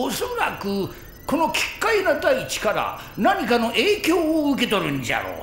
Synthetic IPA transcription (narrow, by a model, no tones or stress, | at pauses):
osoɾakɯ | ko̞no̞kʲi̥kːainad̪ait͡ɕi̥kaɾa̰ | naɲ̟ikano̞ʔe̞ːkʲo̞ːɯk̬e̞t̪o̞ɾɯ̟̃ɲd͡ʑa̰ɾo̰ː